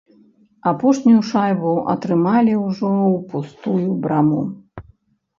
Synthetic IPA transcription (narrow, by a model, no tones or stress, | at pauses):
apɔʂnʲijuʂajbuʔɐ̰t̪ɾɨmalʲiwʐɔwpust̪ujubɾamu